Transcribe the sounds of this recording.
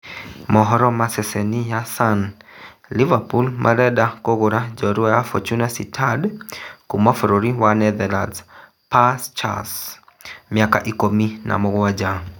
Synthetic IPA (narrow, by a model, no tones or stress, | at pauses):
mɔɦɔɾɔmasɛsɛnijasan | livapulmʔa̰ɾɛɗakoɣoɾad͡ʒɔɾuajafɔ̰t͡ʃunasitʰadkumafɔɾɔɾiwanɛd̪ɛlaz | past͡ʃa̰s | miaka̰ʔikomina̰mɔɣwad͡ʒa